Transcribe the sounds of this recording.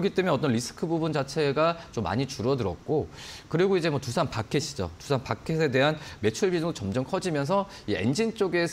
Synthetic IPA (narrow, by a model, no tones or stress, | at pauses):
ʌɡit͈e̞mjʌnʌt͈ʌnɾisʰɯ̥kʰɯbubund͡ʑat͡ɕʰe̞ɡat͡ɕomːa̰ɲit͡ɕuɾʌdɯɾʌ̰t̚k͈okɯɾiɡoid͡ʑe̞mwʌtusʰanpakʰeɕʰid͡ʑo̰tusʰanpakʰesʰe̞de̞ɦanme̞t͡ɕʰuɭbid͡ʑuŋdot͡ɕʌmd͡ʑʌmkʰʌd͡ʑimjʌns̬ʰʌ | ie̞̰nd͡ʑint͡ɕ͈oɡe̞s